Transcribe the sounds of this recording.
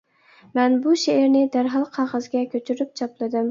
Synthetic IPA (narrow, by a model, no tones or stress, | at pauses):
manbʊʃeeɾnɪd̪aɾɦɑlˠqʰɑʁɑzɡʲakʲʰɵt͡ʃʰyɾɪp̚t͡ʃʰɒplˠɪd̪ɪm